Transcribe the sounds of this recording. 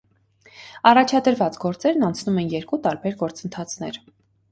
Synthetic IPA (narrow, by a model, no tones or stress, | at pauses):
ɑrɑt͡ʃʰɑd̪əɾvɑt͡sɡɔɾt͡sɛɾnɑnt͡sʰnumɛnjɛɾkut̪ɑɾbɛɾɡɔɾt͡sənt̪ʰɑt͡sʰnɛ̰ɾ